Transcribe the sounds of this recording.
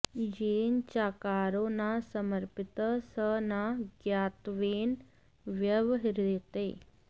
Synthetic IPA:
d͡ʒeːnt͡ʃaːkaːɾoːnasɐməɾpit̪əsənaɡjaːt̪ʋeːn | ʋjɐʋɦiɾit̪eː

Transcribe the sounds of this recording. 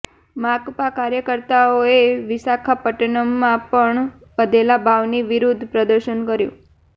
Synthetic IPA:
makpakaɾjəkəɾt̪aoeʋisakʰapəʈənəmːãpəɳ | ʋəd̪ʱelabʱaʋniʋiɾud̪ʱpɾəd̪əɾʃənkəɾjṵ̃

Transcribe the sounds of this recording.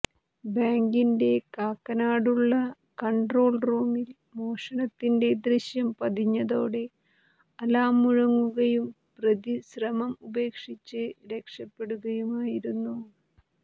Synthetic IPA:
baːŋɡinde̞kaːkːɐnaːɽuɭːɐ | kɐɳɖro̞ːlruːmil | mo̞ːʂɐnɐt̪ːinde̞d̪riɕjɐmpɐd̪iɲːɐðo̞ːɽe̞ | ɐlaːmuɻɐŋːuɣɐjum | prɐðiɕrɐmɐmube̞ːkʂit͡ɕːɨɾe̞kʂɐpːe̞ɽuɣɐjumaːjiɾunːu

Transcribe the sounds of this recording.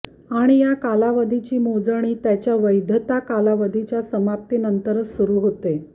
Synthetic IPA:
aɽ̃ijakalaʋəd̪ʱit͡ɕiːmod͡zəɳ̃iːt̪jat͡ɕjaʋəjd̪ʱət̪akalaʋəd̪ʱit͡ɕjasəmap̚t̪iːnənt̪əɾət͡ssuɾuːɦot̪e

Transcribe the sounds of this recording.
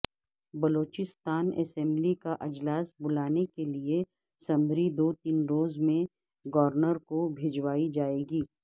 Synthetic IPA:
bɐloːt͡ʃɪst̪aːnɛ̰sɛ̃mblikaʔɐd͡ʒlaːsbʊlaːnekelie | sɐ̃mɾid̪oːt̪iːnɾoːzmẽ | ɡɔʋəɾnəɾkobʱed͡ʒwaːid͡ʒaːeːɡiː

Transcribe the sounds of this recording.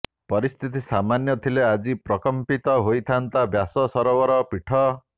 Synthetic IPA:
pɔɾist̪ʰit̪isamanjɔt̪ʰilead͡ʒipɾɔkɔmpit̪ɔɦojt̪ʰant̪abjasɔsɔɾɔwɔɾɔpiʈʰɔ

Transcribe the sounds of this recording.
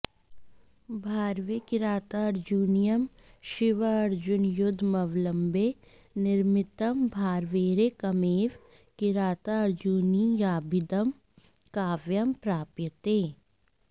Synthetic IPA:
bʱaːɾʋekɪɾaːt̪aɐɾd͡ʒuːnijəm | ʃɪʋəɐɾd͡ʒʊnjʊd̪ʱːmɐʋləmbe | nɪɾmɪt̪əmbʱaːɾʋeːɾekɐmeːʋ | kɪɾaːt̪aɐɾd͡ʒunijaːbʱɪd̪əm | kaːʋjɐmpɾaːpjət̪eː

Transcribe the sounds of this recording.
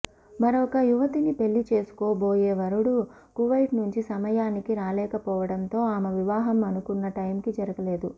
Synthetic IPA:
mɐɾokɐjuʋɐt̪inipe̞lːit͡ʃe̞ːsu̥kɔːboːjeːʋɐɾuɽu | kuʋɐjʈnuɲt͡ʃisɐmɐjaːnikiɾaːlɛːkɐpɔːʋɐɽɐnt̪o̞ːaːmɐʋiʋaːɦɐmɐnukunːɐʈɐjmkid͡ʒɐɾɐɡɐle̞ːd̪u

